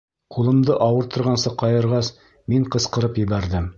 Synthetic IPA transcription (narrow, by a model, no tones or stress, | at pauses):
qulˠɤ̆md̪ɤʔɑwɤɾt̪ɤ̆ɾʁɑnsɤqɑjɤ̆ɾʁɑs | miɴqɤ̆sqɤ̆ɾɤpjɘ̆βæɾðɘm